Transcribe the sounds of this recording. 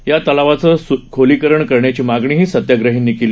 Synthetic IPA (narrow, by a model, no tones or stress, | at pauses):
jat̪əlaʋat͡səkʰoliːkəɾəɳkəɾɳjat͡ɕiːmaɡɳiːɦiːsət̪jaɡɾəɦiːnːikil